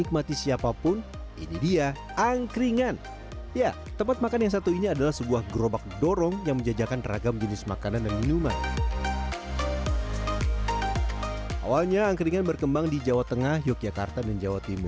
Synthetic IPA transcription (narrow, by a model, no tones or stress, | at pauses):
ik̚mat̪isiapapʊn | ḭnidia | aŋkɾiŋan | ja | t̪əmpat̪̚makanjaŋsat̪uiniadalahsəbuahɡəɾobak̚doɾɔŋjaŋməɲd͡ʒad͡ʒakanra̰ɡamd͡ʒənɪsmakanandanminuman | ʔa̰walɲaːŋkɾiŋanbərkəmbaŋdid͡ʒawat̪əŋahjɔk̚d͡ʒakart̪adand͡ʒawat̪imʊ̰